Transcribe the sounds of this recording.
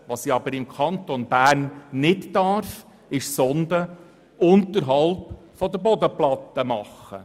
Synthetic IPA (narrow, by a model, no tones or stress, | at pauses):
ʋɑsiɑbəɾɪmkʰɑnt̪ɔnb̥æːɾnːɪttɑɾf | ɪʃsɔnd̪ə | ʊnt̪əɾɦɑlˠp | fɔd̪əbɔd̪əplɑt̪ːəmɑχə̰